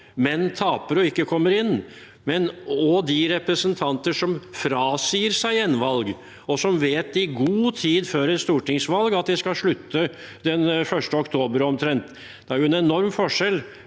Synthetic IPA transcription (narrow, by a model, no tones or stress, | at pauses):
mɛnːt̪ʰɑːpəɾɔɪkːəkʰɔmːəɾɪnː | mɛnɔd̪ɪɾɛpɾəsənt̪ʰɑnt̪əʂɔmfɾɑːsiːəɾsæɪɛnʋɑlɡ | ɔsɔmʋeːt̪ɪɡuːt̪ʰiːd̪føːɾɛt̪st̪uːʈɪŋsʋɑlɡɑt̪̚d̪ɛskɑlʂɭʉt̪ːə | d̪ɛnfœʂʈəɔkt̪ʰoːbəɾɔmt̪ʰɾɛnt̪ | d̪̥ɛæɾjʊɛnɛnɔɾmfɔʂɛl